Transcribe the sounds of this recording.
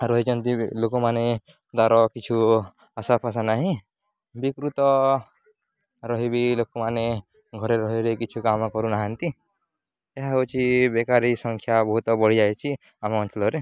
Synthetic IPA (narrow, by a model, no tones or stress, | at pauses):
ɾɔɦit͡ʃɔnt̪ilokɔmane | d̪aɾɔkit͡ʃʰu | asapʰas̬anaɦĩ | bikɾut̪ɔ | ɾɔɦibilokɔmane | ɡʱɔɾeɾɔɦiɾekit͡ʃʰukamɔkɔɾunaɦant̪i | eɦaɦot͡ʃʰibekaɾisɔŋkʰjabɔɦut̪ɔbɔɽ̤id͡ʒajt͡ʃʰi | amɔːnt͡ʃɔlɔɾe